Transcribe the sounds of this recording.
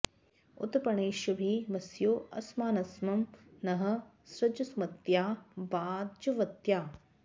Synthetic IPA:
ʊ̰t̪pɐɳeːʃɐbʱiʋɐsjoːʔɐsmaːnɐsmɐmnɐɦɐ̆ | sɾɐd͡ʒɐsmɐt̪jaːbaːdd͡ʒɐʋɐt̪jaː

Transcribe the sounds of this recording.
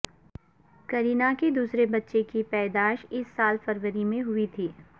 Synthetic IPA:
kɐɾiːnaked̪uːsɾebɐtːʃekipɛːd̪aːʃɪsːaːlfɐɾʋəɾimẽɦʊit̪ʰiː

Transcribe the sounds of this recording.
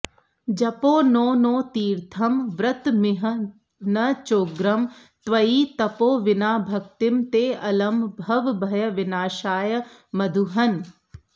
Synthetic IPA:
d͡ʒɐpoːnoːnoːt̪iːɾt̪ʰɐmʋɾɐt̪mɪɦə | nɐt͡ʃoːɡɾɐm | t̪ʋɐiːt̪ɐpoːʋɪnaːbʱɐk̚t̪ɪmt̪eːɐlɐmbʱɐʋbʱɐjɐʋɪnaːʃaːjəmɐd̪ʱuɦɐn

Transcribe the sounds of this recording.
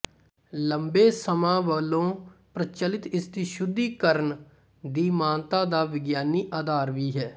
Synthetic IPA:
ləmbeːsəmãːʋəlõːpɾət͡ʃəlɪt̪ɪst̪iʃʊd̪ːiːkəɾəɳ | d̪iːmãːnt̪ãːd̪aːʋɪɡjaːniːʔaːd̪aːɾʋiːɦɛː

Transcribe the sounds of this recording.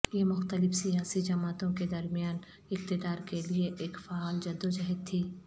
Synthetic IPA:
jemʊxt̪əlɪfsijaːsid͡ʒɐmaːt̪õked̪ɐɾmijaːn | ɪq̚t̪ɪd̪aːɾkelieʔeːkfaaːld͡ʒɐd̪ːod͡ʒɐɦɛd̪̚t̪ʰːiː

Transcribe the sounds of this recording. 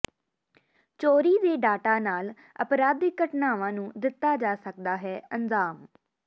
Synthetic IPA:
t͡ʃoːɾiːd̪eːɖaːʈaːnaːl | ə̰pɾaːd̪ɪkəʈnaːʋãːnũːd̪ɪt̪ːaːd͡ʒaːsək̚d̪aːɦɛːənd͡ʒaːm

